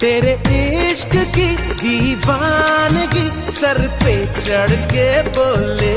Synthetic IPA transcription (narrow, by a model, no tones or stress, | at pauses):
t̪eːɾeɪʃkkiɡiːʋanɡi | sɐɾpeːt͡ʃəɽkeboːleː